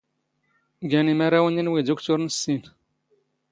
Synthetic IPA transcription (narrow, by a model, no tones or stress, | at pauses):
ɡænimaɾawəninwid̪ukt̪uɾnəsːin